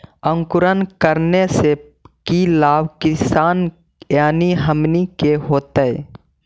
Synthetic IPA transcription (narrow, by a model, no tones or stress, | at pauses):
ə̃ŋkʊɾənkəɾnese | kilaːbkɪsaːn | jaːniɦəmnikeɦoːt̪ə